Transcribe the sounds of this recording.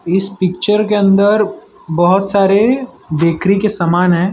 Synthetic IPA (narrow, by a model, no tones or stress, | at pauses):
ɪspɪk̚t͡ʃəɾkeɐ̃nd̪əɾ | bɐɦʊt̪saːɾe | d̪eːkɾikesamaːnɦɛ̃ː